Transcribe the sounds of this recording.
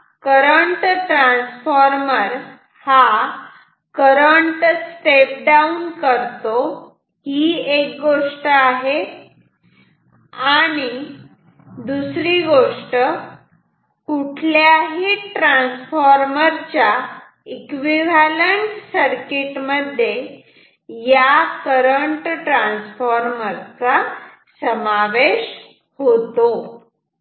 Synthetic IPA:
kəɾəɳʈʈɾãnsfɔɾməɾ | ha | kəɾəɳʈsʈep̚ɖaunkəɾt̪o | ɦiːek̚ɡoʂʈəaɦe | aɽ̃i | d̪usɾiɡoʂʈə | kuʈʰljaɦiːʈɾãnsfɔɾməɾt͡ɕja | ikʋiʋaləɳʈsəɾkiʈməd̪ʱːje | jakəɾəɳʈʈɾãnsfɔɾməɾt͡sa | səmaʋeɕ | hot̪o

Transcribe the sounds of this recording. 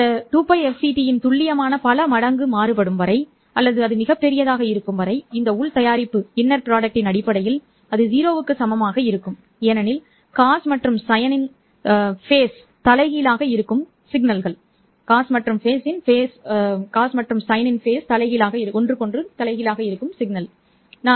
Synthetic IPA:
ɐt̪uːpːɐɪɛfsiːʈijɪnt̪ʊɭːɪjɐmaːnɐpɐlɐmɐɽɐŋɡɯmaːɾɯpɐɽɯmʋɐɾɐɪ | ɐlːɐðɯɐðɯmɪɣɐpːɛɾɪjɐðaːɣɐɪɾɯkːɯmʋɐɾɐɪɪnd̪ɐʊɭt̪ɐjaːɾɪpːɯɪnːɐɾpɪɾaːɖɐk̚ʈɪnɐɽɪpːɐɽɐjɪl | ɐðɯziːɾoːʋɯkːɯsɐmɐmaːɣɐɪɾɯkːɯm | eːnɐnɪl | kaːsmɐʈrɯmsɐjɐnɪn | feːs | t̪ɐlɐɪɣilaːɣɐɪɾɯkːɯm | sɪɡnɐlɣɐɭ | kaːsmɐʈrɯmfeːsɪnfeːskaːsmɐʈrɯmsɐjɐnɪnfeːst̪ɐlɐɪɣɪlaːɣɐɪɾɯʔɔndrɯkɔndrɯt̪ɐlɐɪɣɪlaːɣɐɪɾɯkːɯmsɪɡnɐl | naː

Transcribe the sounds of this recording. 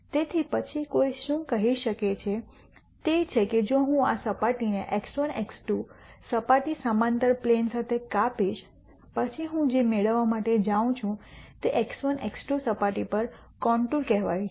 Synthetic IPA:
t̪et̪ʰipət͡ʃʰikoiʃũkəɦiʃəket͡ʃʰe | t̪et͡ʃʰeked͡ʒoɦũasəpaʈineʔeksəneksʈusəpaʈisamãnt̪əɾplensat̪ʰekapiʃ | pət͡ʃʰiɦũd͡ʒemeɭəʋːamaʈed͡ʒaʋũt͡ʃʰũt̪eʔeksənʔḛksʈusəpaʈipəɾ | kɔɳʈulkɛɦʋa̰jĩt͡ʃʰ

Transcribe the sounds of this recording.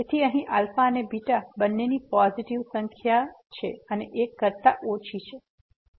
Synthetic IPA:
et̪ʰiəɦĩʔalfanebiʈabənːenipɔziʈiʋsəŋkʰjat͡ʃʰeəneʔekːəɾt̪aʔot͡ʃʰit͡ʃʰe

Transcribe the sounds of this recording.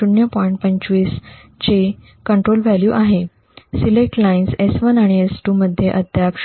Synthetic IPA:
uɳjəpɔiɳʈ̚pəɲt͡ɕʋis | t͡ɕe | kəɳʈɾolʋæljuːʔaɦe | silek̚ʈlainsesʋənaɽ̃iesʈuːməd̪ʱːjeʔəd̪ʱjak

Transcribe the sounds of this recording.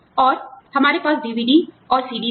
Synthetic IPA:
ɔːɾhəmaːɾepaːsɖiʋʱiːɖi | ɔːɾsiːɖi

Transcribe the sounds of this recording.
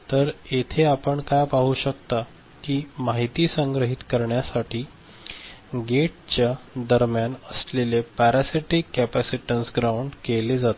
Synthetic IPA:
t̪əɾet̪ʰeapəɳkajpaɦuːɕək̚t̪a | kiːmaɦit̪iːsəŋɡɾəɦit̪kəɾɳjasaʈʰiː | ɡeʈ̚t͡ɕjad̪əɾmjanəslelepæɾæsiʈikːæpæsiʈənsɡɾauɳɖkeled͡zat̪

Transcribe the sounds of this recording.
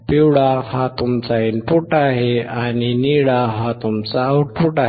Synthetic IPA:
piwɽahat̪umt͡sainpuʈaɦeaniniɭaɦat̪umt͡saːwʈpʰuʈaɦ

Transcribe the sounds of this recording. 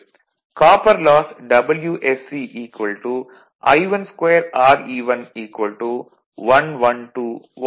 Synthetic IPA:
kaːpɐɾlaːsɖɐbɐljuːʔesːiːʔiːkʋɐlʈu | ɐ̰jʋɐnskʋeːɐɾaːɾiːʋɐniːkʋɐlʈu | ʋɐnʋɐnʈuː

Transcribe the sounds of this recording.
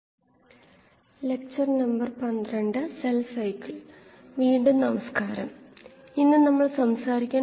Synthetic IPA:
le̞k̚t͡ɕɐrnɐmbɐrpɐnd̪rɐɳɖɨselfɐjkiɭ | ʋiːɳɖɨnɐmɐskaːɾɐ̰m | inːɨnɐmːɐɭsɐmsaːɾikʲːaː

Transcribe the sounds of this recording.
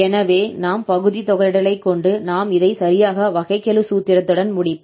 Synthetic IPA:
ɛnɐʋeːnaːmpɐɣɯðit̪ɔɣɐɾɪɽɐlɐɪkːɔɳɖɯnaːmɪðɐɪsɐɾɪjaːɣɐʋɐɣɐɪkːɛlɯsuːt̪ːɪɾɐt̪ːɯɽɐnmʊɽɪpː

